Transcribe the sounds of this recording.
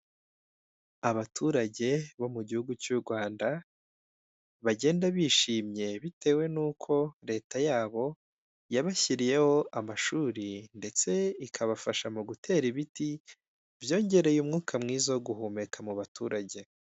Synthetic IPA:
aβatʰuɾaɟe̞βo̞muɟihuɡut͡ʃuɾɡwaːnda | βaɟe̞ːndaβiːʃiːmɲe̞βite̞ːwe̞nuːkʰo̞ɾe̞ːtajaːβo̞ | jaβaçiɾije̞ho̞ʔamaʃuːɾinde̞t͡se̞ikʰaβafaʃamuɡutʰe̞ɾiβiti | vjo̞ːɲɟe̞ɾe̞jumŋuːkʰamŋiːzoɡuhume̞kʰamuβatʰuːɾaɟe̞

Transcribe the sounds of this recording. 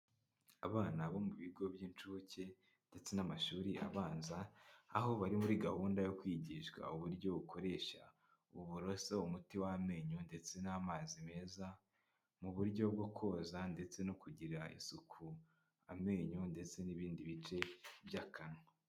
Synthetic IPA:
aβaːnaβo̞muβiɡo̞bjiːnt͡ʃuβoce̞ | nde̞t͡se̞namaʃuːɾia̰βaːnza̰ːho̞βaɾimuɾiɡahuːndajo̞kwiːɟiːʃkwa̰uβuɾɟo̞βukʰo̞ɾe̞ːʃa̰ | uβuɾo̞soumutiwame̞ɲonde̞t͡se̞naːmaːzime̞ːza | muβuɾɟo̞bɡokʰo̞ːzande̞t͡se̞nokuɟiɾaḭsukʰu | ame̞ɲonde̞t͡se̞niβiːndiβit͡ʃe̞bjakʰana

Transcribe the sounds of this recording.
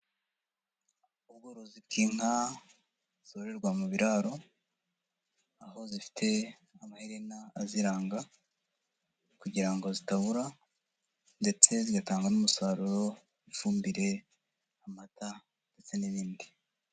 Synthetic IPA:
uβɡoɾo̞zib̚kʰiːŋ̥ha | z̥oɾe̞ɾɡwamuβiɾaːɾo̞ | aho̞zifi̥tʰe̞ | amahiɾenaːziɾaːŋɡa | kuɟiɾaŋɡo̞zitaβuɾa | nde̞t͡se̞ziɡataːŋɡanumusaːɾuɾo̞ | ifuːmbiɾe̞ | amata | nde̞t͡se̞niβiːndi

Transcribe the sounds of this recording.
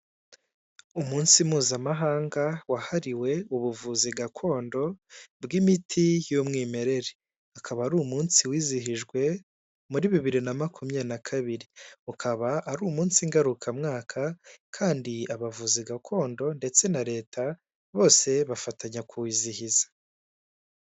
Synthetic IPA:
umuːnsimuːzamaɦaːŋɡawahaɾiwe̞uβuvuziɡakʰo̞ːndo̞bɡimitʰijomŋiːme̞ɾe̞ɾe | akʰaβaːɾuːmuːnsiwiːziɦiʒɡwe̞ | muɾiβiβiɾinamakumjanakʰaβiɾiukʰaβaːɾuːmuːnsiŋɡaɾukʰamŋaːkʰakʰaːndiaβavuziɡakʰo̞ːndo̞nde̞t͡se̞naɾe̞ːtʰa | βo̞ːse̞βafataɲakuwiːzihizḁ

